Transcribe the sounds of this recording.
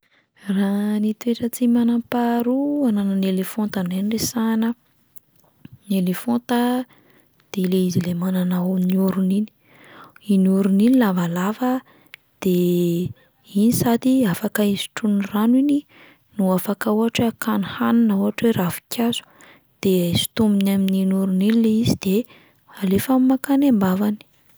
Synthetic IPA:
ranit̪ueʈ͡ʂət͡simanampaɾuananənelefont̪aneniresanə | nelefont̪a | d̪̥eileizilemananaamniuɾunini̥ | iniuɾuninilavalavə | d̪̥e | inisad̪iafakaizi̥ʈ͡ʂuniranwini | nuafakauɦaʈ͡ʂakanihaninauɦaʈ͡ʂweɾʔafi̥kʲjaz̥u̥ | d̪̥eajzi̥t̪uminamininuɾuninileizid̪̥e | alefammakanembavani̥

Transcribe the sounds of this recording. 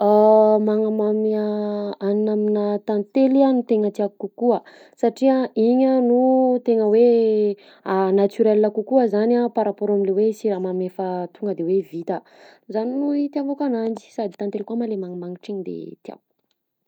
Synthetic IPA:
amaŋəmamaaninaminət̪ant̪elianut̪eŋət̪iakukukuə | saʈ͡ʂiəiɲənut̪eŋəwe | anat͡s̪yɾɛlːakukuəzanapaɾapoɾamilewesiɾamamefət̪uŋɡəd̪ewevit̪ə | zaninuit̪iavakanand͡ʒi̥sad̪i̥t̪ant̪elkuəmalemaŋəmaŋiʈ͡ʂiɲid̪ḛt̪ia̰vu̥

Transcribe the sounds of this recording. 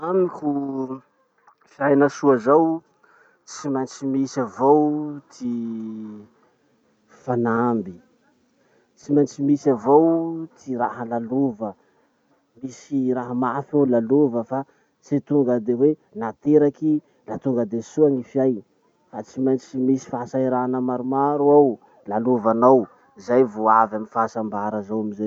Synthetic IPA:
amikʲu | fjajnasuazaw | t͡simant͡ʃimisavowt̪ʰi | fanambi | t͡simajnt͡ʃimisavowt̪ʰiɾa̰ɦəlalovə | misiɾaɦəmafawlalovəfa | t͡sit̪uŋɡəd̪ewenat̪eɾaki | lat̪uŋɡəd̪esuaŋifjaj | fat͡simajnt͡simisi̥faasaiɾanəmaɾumaɾuaw | laluvanaw | izajvoavaminfasambaɾəzawamiza

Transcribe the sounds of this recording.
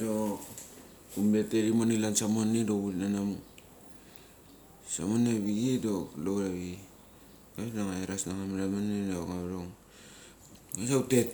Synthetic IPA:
do | umleteɾimonilansamonːedouɾnanamu | sa̰monaβiɡedoloɾaβi | ɡaβnaŋaeɾasnaŋamiɾamanedoŋaβɾoŋ | ɡasautet̚

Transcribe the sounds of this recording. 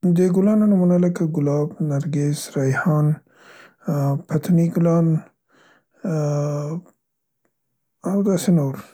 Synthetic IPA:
d̪eɡulɑːnanamunalakaɡʊlɑːbnaɾɡesɾajhɑːn | pʰat̪ʰniɡulɑːn | awd̪ɑsenowɾ

